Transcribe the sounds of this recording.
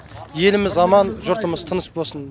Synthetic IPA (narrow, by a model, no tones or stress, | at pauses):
je̞lɪmɪzɑmɑnʒʊɾt̪əməzt̪ʰənəsbo̞lˠsən